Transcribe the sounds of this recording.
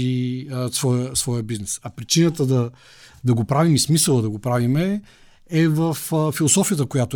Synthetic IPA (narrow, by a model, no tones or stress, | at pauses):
isvɔjəsvɔjəbiznɛsɐpɾit͡ʃinət̪əd̪ɐ | d̪ɐɡopɾavimismisəlˠəd̪ɐɡopɾavimɛ | ɛvəffilˠosɔfijət̪əkojat̪ʊ